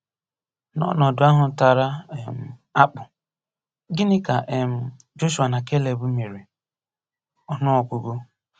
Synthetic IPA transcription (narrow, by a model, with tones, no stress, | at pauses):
nɔ̰˦nɔ˨dʊ˨˦a˦ɦʊ˨ta˨ɾa˦˨m̩˨a˦k͡pʊ˨ | ɡɪ˦nɪ˦ka˨ʔm̩˦˨ | d͡ʒo˦ʃu˨a˨na˨ke˦le˨bʊ˦me˨ɾi˨ | ɔ˨nʊ˦ɔ˨ɡu˨ɡo˦